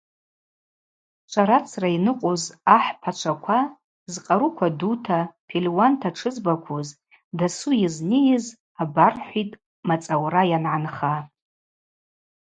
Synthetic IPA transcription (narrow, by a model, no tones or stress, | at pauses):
t͡ʃʷʰaɾat͡sʰrainɨqʼozaħpʰat͡ʃʷʰakʷʰa | zqʼaɾukʷʰadutʰapʰilwantʰaʈ͡ʂʰɨzbakʷʰuz | dasujɪznijɪz | abarħʷitʼ | mat͡sʼawrajanʕanχa